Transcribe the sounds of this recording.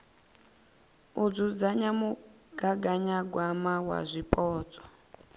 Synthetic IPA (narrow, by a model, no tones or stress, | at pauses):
ud͡zud͡zaɲamu | ɡ̥aɡaɲaɡwamawa̰zʷipʼɔːt͡sʼɔ̥